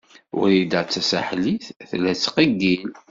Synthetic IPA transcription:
ʊ̰ɾid̪ət͡sːæsaħliθθlːæt͡sːqəɡːil

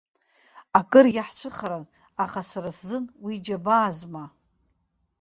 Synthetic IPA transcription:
akʼɨrjaħt͡ʃʷʰɨχaɾan | aχasaɾaszɨnwid͡ʒabaːzma

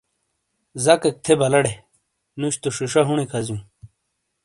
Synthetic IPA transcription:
zɐkek̚t̪ʰebɐlɐɽe | nuɕt̪oʂiʂaɦuɳ̃ikʰɐzjũ

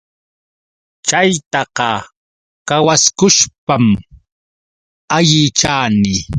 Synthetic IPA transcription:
t͡ʃajt̪ɑqɑ | kawaskʊʃpam | aʎɪt͡ʃaːnɪ

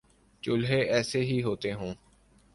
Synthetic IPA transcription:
t͡ʃʊlɦeːʔɛːseːɦiːɦoːt̪eːɦõː

